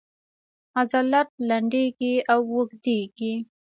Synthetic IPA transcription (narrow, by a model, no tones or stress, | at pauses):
azalat̪̚laɳɖeɡiawːəɡd̪eɡi